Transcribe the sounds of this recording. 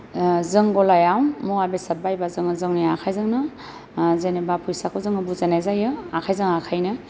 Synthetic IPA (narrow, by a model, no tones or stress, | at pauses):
zɯŋɡɔlajawmuabesat̚bajbazɯŋɯzɯŋniakʰajzɯŋnɯ | zenebapʰujsakʰɯzɯŋɯbuzanajzajɯakʰajzɯŋakʰajnɯ